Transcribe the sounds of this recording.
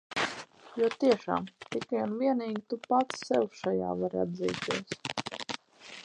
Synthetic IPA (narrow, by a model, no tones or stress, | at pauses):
juɔt̪iɛʃa̰ːmt̪ikajunviɛniːɡʲit̪upat̪sːɛwʃaja̰ːvaɾa̰d̪zḭːt̪iɛs